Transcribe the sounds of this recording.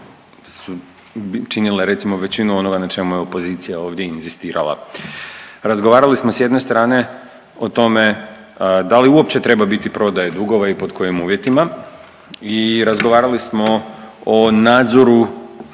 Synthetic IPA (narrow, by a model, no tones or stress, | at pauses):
su | t͡ʃinileɾe̞t̪simo̞ʋe̞t͡ɕinuo̞no̞ɡanat͡ʃe̞mujeo̞po̞ziːt̪sijao̞ːʋd̪je̞inzist̪iːɾa̰lˠa̰ | ɾazɡoʋaːɾalismo̞sje̞d̪ne̞st̪ɾaːne̞ | o̞t̪o̞me̞ | d̪aliuopt͡ɕe̞t̪ɾe̞babit̪ipɾo̞d̪ajed̪uɡo̞ʋaipo̞d̪kʰo̞jimuːʋje̞t̪ima | iɾazɡoʋaːɾalismo̞onaːd̪zo̞ɾu